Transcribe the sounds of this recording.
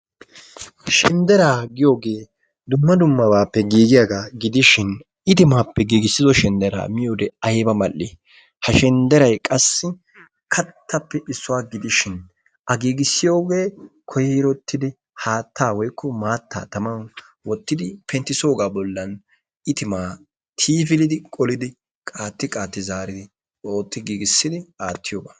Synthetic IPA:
ʃɪnd̪ɛɾaːɡɪjo̞ːɡe̞ː | d̪ʊmːɐd̪ʊmːɐbaːpːɛɡiːɡɪjaɡaɡɪd̪ɪʃɪn | ɪt̪ɪmaːpːɛɡiːɡɪsːɪzɔʃɪnd̪ɛɾa̰ːmɪjoːd̪ɛɐjbɐmɐlːɪ | hɐʃɪnd̪ɛɾɐjkʼɐsːɪ | kʰɐt̪ːɐpːɛʔɪsːʊwaːɡɪd̪ɪʃɪn | ʔɐɡiːɡɪsːɪjo̞ːɡe̞ːkʰɔjɪɾɔt̪ːɪd̪ɪ | haːt̪ːaːwɔjkʰːɔmaːt̪ːa̰ːt̪ɐmɐn | wɔt̪ːɪd̪ɪpʰɛnt̪ɪso̞ːɡaːbɔlːɐn | ʔɪt̪ɪmaː | t̪ʰiːfɪlɪd̪ɪkʼɔlɪd̪ɪ | kʼaːt̪ːɪkʼaːt̪ːɪzaːɾɪd̪ɪ | oːt̪ːɪɡiːɡɪsːɪd̪ɪaːt̪ʰːɪjoːbaː

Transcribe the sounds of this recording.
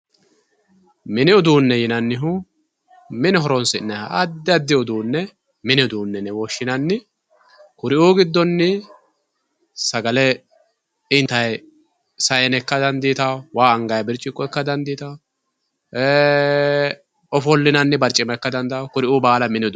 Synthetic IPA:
mɪnɪɔd̪uːnːɛjɪnɐnːɪɦʊ | mɪnɪɦɔɾɔnsɪnːɛhɐɐd̪ːɪɐd̪ːɪʊd̪uːnːɛ | mɪnɪʊd̪uːnːɛnɛwɔʃːɪnɐnːɪ | kʊɾɪuːɡɪd̪ːɔnːɪ | sɐɡɐlɛ | ɪnt̪ɐj | sɐjɛnɛkːɐd̪ɐnd̪iːt̪ɐwwaːɐŋɡɐjbɪɾt͡ʃʼːɪkʼːɔɛkːɐd̪ɐnd̪iːt̪ɐw | eː | ɔfɔlːɪnɐnːɪbɐɾt͡ʃʼːɪmɛkːɐd̪ɐnd̪ɐwkʊɾɪʔubaːlɐmɪnɪʊd̪

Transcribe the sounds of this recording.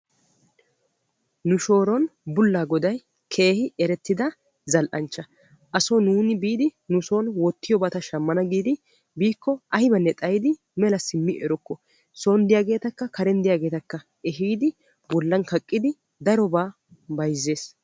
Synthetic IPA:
nʊʃo̞ːɾɔnbʊlːaːɡɔd̪ɐj | kʰe̞ːhɪɛɾɛt̪ːɪd̪ɐ | zɐlʔɐnt͡ʃːɐ | ʔɐsɔnuːnɪbiːd̪ɪnʊso̞ːnwɔt̪ːɪjɔbɐt̪ɐʃɐmːɐnɐɡiːd̪ɪ | biːkːɔʔɐhɪbɐnːɛt̪ʼɐjɪd̪ɪ | mɛlɐsɪmːɪʔɛɾɔkːɔ | soːnd̪ɪjaːɡe̞ːt̪ɐkːɐkɐɾɛnd̪ɪjaːɡe̞ːt̪ɐkːɐ | ɛɦiːd̪ɪ | bɔlːɐnkɐkʼːɪd̪ɪ | d̪ɐɾɔbaː | bɐjzːe̞ːs

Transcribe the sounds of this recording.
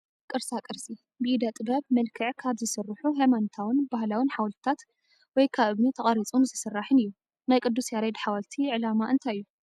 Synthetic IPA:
kʼɨɾsakʼɨɾsʼi | bɨid̪at̪ʼɨbɐβmɐlkʰɨʕkʰaβzɨsɨrːɨħuɦemant̪ʰawɨnbaɦlawinħawlt̪ʰt̪ʰat̪ | wɔjkʰaβɨβnit̪ʰɐχʼɐɾit͡sʼunzɨsɨrːaħɨnɨjːu | najkʼɨd̪ːusjaɾed̪ħawalt̪ʰiʕɨlamaʔɨnt̪ʰajɨjːu

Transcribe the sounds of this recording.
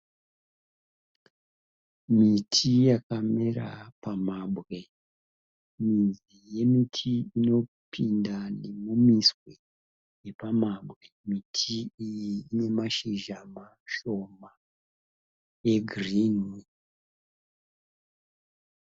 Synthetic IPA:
mitʰijakamera̰pamaɓʱɣe̞ | minz | ije̞mitʰiino̞pʰindane̞mumiswe | je̞pamaɓɣe̞mitʰiijiːne̞maʃiʒama | ʃo̞ma | e̞ɡʱrinwi

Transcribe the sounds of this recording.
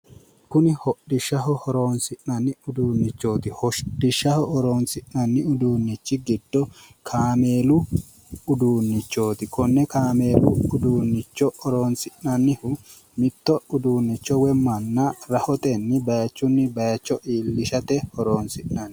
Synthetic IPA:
kʊnɪhɔɗːɪʃːɐɦɔhɔɾo̞ːnsɪʔnɐnːɪʊd̪uːnːɪt͡ʃːo̞ːt̪ɪhɔʃɗɪʃːɐhɔʔɔɾoːnsɪʔnɐnːɪʊd̪uːnːɪt͡ʃːɪɡɪd̪ːɔkʰaːme̞ːlʊ | ʊd̪uːnːɪt͡ʃːo̞ːt̪ɪkɔnːɛkaːme̞ːlʊʊd̪uːnːɪt͡ʃːɔɔɾoːnsɪʔnɐnːɪhʊ | mɪt̪ːɔʊd̪uːnːɪt͡ʃːɔwɛmɐnːɐɾɐhɔt̪ɛnːɪbɐjɐt͡ʃːʊnːɪbɐjɐt͡ʃːɔʔiːlːɪʃɐt̪ɛhɔɾoːnsɪʔnɐn

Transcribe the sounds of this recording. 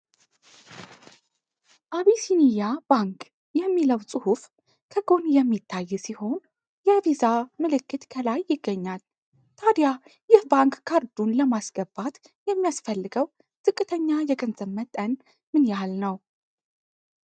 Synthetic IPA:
ʔaβisinijabaŋk | jɛmːiləwsʼɨhuf | kʰəɡo̞njɛmːit̪ʰːajːɛsiho̞n | jɛvizamɨlɨkːɨt̪kʰəlajːɪɡːəɲːal | t̪ʰad̪jajɪhbaŋkkʰːaɾd̪unləmasɡ̥əbat̪ | jɛmːijasfəlːɨɡəw | t̪ʼɨkʼːɨt̪ʰəɲːajɛɡʼənzəmːət̪ʼːən | mɨnjalnəw

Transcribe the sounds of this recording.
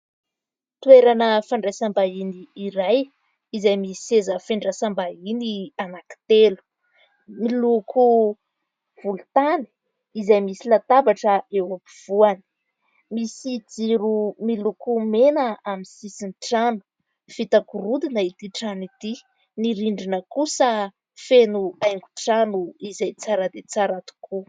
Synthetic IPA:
t̪ueɾanəfaɳɖ͡ʐasambainiːɾaj | izajmiezəfeɳɖ͡ʐasambainianaki̥t̪elu̥ | miluku | v̥ulut̪ani̥ | izajmisilat̪abaʈ͡ʂəewopiv̥uani̥ | misid͡ziɾumilukumenaamisisinʈ͡ʂanu̥ | fit̪akuɾud̪inait̪iʈ͡ʂanit̪i | niɾiɳɖ͡ʐinəkusə | fenuajŋɡuʈ͡ʂanuizajt͡saɾad̪et͡saɾat̪u̥kʰu

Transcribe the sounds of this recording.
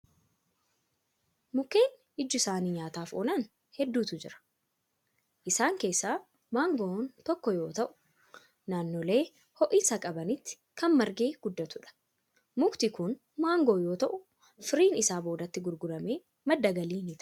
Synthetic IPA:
mʊkːe̞ːn | ɪd͡ʒːʊɪsaːniːɲaːt̪aːfo̰ːnɐn | hɛd̪ːuːt̪ʊd͡ʒɪɾɐ̥ | ʔɪsaːŋke̞ːsːaː | maːŋɡont̪ɔkːɔjo̞ːt̪ɐʔʊ̥ | naːnːole̞ː | hɔʔisɐkʼɐbɐnɪt̪ːɪ̥ | kɐnmɐɾɡeːɡ̥ʊd̪ːɐt̪ʊᶑɐ̥ | mʊkt̪ɪkʊn | maːŋɡoːjo̞ːt̪ɐʔʊ | fɪɾiːnɪsaːbo̞ːd̪ɐt̪ːɪɡʊɾɡʊlɐme̞ː | mɐd̪ːɐɡɐliːnɪt̪

